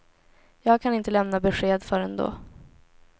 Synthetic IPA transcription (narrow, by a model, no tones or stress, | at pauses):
jɑːɡ̚kʰanɪnt̪əlɛmnabɛɧeːd̪fœɾɛnd̪o̰ː